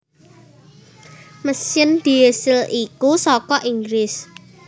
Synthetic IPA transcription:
məsɪnd̪̥i̤esɪlikusɔkɔʔiŋɡɾɪs

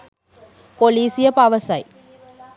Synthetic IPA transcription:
poliːsɪjɐpɐʋɐsɐj

